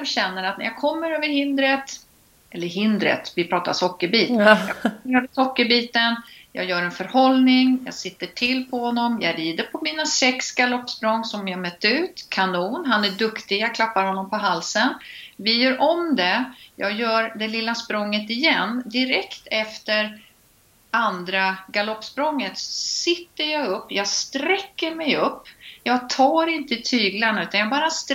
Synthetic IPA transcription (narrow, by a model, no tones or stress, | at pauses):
ɔmɕɛnːəɾat̪næ̰ɾjɑːɡkʰɔmːəɾøːvəɾhɪnd̪ɾət̪ | ʔɛlːəɾɦɪnd̪ɾə̰t̪vɪpʰɾɑːt̪a̰sɔkːəɾbiːt̪jɑːkʰməɾøːvəsɔkːəɾbiːt̪ənjɑ̰ɡjœːɾɛnfœɾhɔlnɪŋjɑ̰ːsɪt̪ːəʈʰɪlːpʰɔhɔnːɔmjɑ̰ːɡɾiːd̪əɾpʰɔmiːnasɛksɡalɔpːspɾɔŋːsɔmjɑmœt̪ːəʉ̟ːt̪kʰanuːnɦanæɖɵkt̪ɪjaɡkʰlapːaɾhɔnːɔmpʰɔɦalsənvɪjœːɾʔɔmd̪ɛjɑ̰ːɡjœːɾɖ̪ɛlɪlːaspɾɔŋːət̪ɪjɛnːd̪ɪɾɛkt̪ɛft̪əɾ | and̪ɾaɡalɔpːspɾɔŋːət̪sɔsɪt̪ːəjɑɡɵpːjɑːɡst̪ɾɛkːəɾmɛjɵpːjɑːɡt̪ʰɑːɾɪnt̪ət̪ʰyːɡlanʉ̟ːt̪anjɑːɡbɑːɾast̪